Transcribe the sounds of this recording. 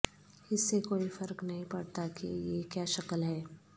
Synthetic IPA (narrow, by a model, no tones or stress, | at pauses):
ɪsːekoːifɐɾknɐɦĩpɐɽt̪akḭjekjaːʃɐkəlɦɛː